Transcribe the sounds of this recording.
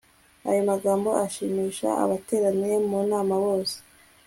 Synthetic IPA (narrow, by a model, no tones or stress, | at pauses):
a̰jomaɡaːmbo̞ʔaʃiːmiːʃa̰a̰βate̞ːɾaniemunaːmawo̞ːse̥